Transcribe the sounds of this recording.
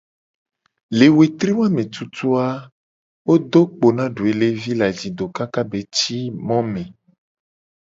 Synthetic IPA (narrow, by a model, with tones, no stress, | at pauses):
le˨we˨t̪ɾi˦wa˦mẽ˨t̪u˦t̪u˦a˦ | wo˦d̪o˦k͡po˨nã˦ɖu˨e˨le˦vi˦la˨d͡ʑi˨d̪o˨ka˦ka˦be˨t͡ɕi˦mɔ̃˦mẽ˨